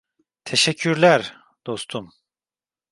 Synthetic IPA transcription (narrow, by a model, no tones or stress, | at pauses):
t̪ʰeʃɛcʰːyɾlʲæɾ | d̪̥o̞st̪ʰum